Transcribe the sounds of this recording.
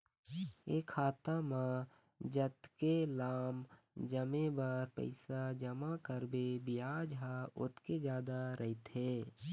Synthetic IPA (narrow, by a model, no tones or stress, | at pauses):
eːkʰaːt̪amã | d͡ʒət̪kelaːm | d͡ʒəmẽbaɾpə̰ɪsad͡ʒəmakəɾbebɪjaːd͡ʒɦaʊ̰t̪ʰked͡ʒjaːd̪aɾʔəɦɪt̪ɦeː